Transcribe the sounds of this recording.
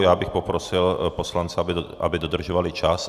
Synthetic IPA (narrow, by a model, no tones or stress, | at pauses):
jaːbixpopɾɔsilposlant͡sɛaba̰bid̪od̪r̩ʒɔvalit͡ʃas